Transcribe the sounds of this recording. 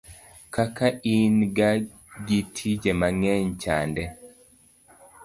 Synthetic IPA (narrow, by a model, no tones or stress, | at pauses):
kakaʔinɡa | ɡitʰid͡ʒɛmaŋɛɲt͡ʃa̰ndɛ